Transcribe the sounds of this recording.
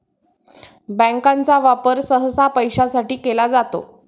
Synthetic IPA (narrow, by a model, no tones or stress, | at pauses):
bə̃ŋkãnt͡saʋapəɾsəɦsapəjɕasaʈiːkelad͡zat̪o̰